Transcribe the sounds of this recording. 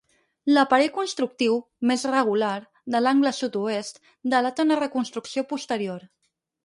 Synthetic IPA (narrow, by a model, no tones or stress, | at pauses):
ləpəɾɛʎkunst̪ɾuk̚t̪iw | mezrəɣ̞ulaɾ | ðəlaŋɡləsut̪uest̪ | d̪əlat̪ənərəkunst̪ɾuksiopust̪əɾioɾ